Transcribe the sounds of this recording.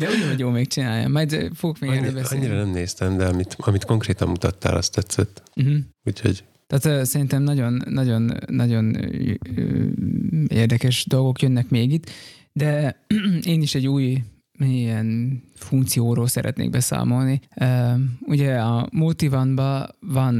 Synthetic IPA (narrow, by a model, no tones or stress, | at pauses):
d̪ɛuɟɛoɟjoːmek̚t͡ʃinaːja̰mɛjd̪foɡokmeɡbɛɒɲːiɾɒnɛmneːst̪ɛmd̪ɛɒmit̪ɒmit̪ko̞ŋkreːt̪ɒ̰mmut̪ɒt̪ːa̰ːlʔɒ̰st̪ɛt̪sːɛt̪̩ːɦ̩uːcho̞̰ɟ | t̪aːt̪øsɛɾint̪ɛmnɒɟo̞nːɒɟo̞nːɒɟo̞n | ḛːrd̪ɛkɛʃd̪o̞lɡo̞kjønːɛkmeːɡit̪ | d̪ɛ | eːniʃɛɟːuːj | ɛn | fuŋk̚t̪sijoːɾoːlsɛ̰ɾʔɛ̰t̪nḛːɡ̚bɛsa̰ːmo̞lniː | uɟɛɒmult̪ivɒnbɒvɒn